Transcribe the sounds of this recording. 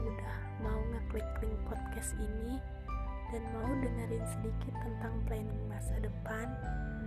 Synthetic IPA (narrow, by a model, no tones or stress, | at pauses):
udah | mauŋəkliklɪŋpɔt̪̚kɛsini | danmaudəŋərjaŋsədikɪt̪ːənt̪aŋplanɪŋbaasadəpan